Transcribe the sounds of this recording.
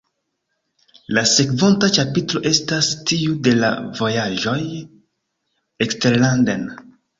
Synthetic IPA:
lase̞kvontat͡ʃapitlo̞ʔe̞stastiude̞la̰vo̞jaʒo̞j | ekste̞ɾlanden

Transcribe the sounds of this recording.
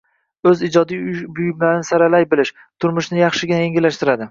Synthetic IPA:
ɵzɪd͡ʒɒd̪ijʊbʊjɪmlaɾɪnɪsaɾalajbɪlɪʃ | t̪ʰʊɾmʊʃnɪjɑχʃɪɡʲɪnaeŋʲɪlaʃt̪ɪɾad̪ɪ

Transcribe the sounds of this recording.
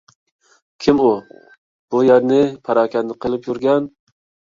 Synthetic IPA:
kʲʰimu | b̥ujæɾnɪpʰɑɾɑːkʲʰɛnːɨqʰəlˠɨpjuɾɡʲɛn

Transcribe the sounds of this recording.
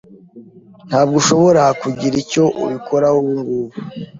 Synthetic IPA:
n̥haːbɡuʃo̞βo̞ɾakuɟiɾico̞ʔṵβikʰoɾahoβuŋɡuːβu

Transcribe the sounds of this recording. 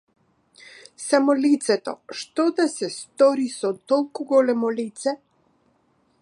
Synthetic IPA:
samɔlit̪sɛt̪ɔ̰ʃt̪ɔd̪asɛst̪ɔɾisɔt̪ɔlˠkuɡɔlɛmɔlit̪sɛ

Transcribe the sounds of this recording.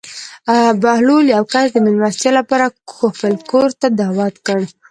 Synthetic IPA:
abahluljawkaɾd̪əmɪlɾast̪jalapɑɾaxofəlkoɾt̪ad̪ɑwat̪kəɽ

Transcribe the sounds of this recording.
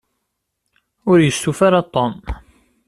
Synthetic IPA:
ʊɾjəst̪ufaɾɑt̪ˤːɔm

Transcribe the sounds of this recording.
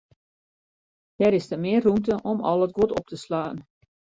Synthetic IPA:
d̥ɛɾɪsdəmɪərːumtəʔɔmɔ̰lˠət̚ɡotɔp̚təslaːn

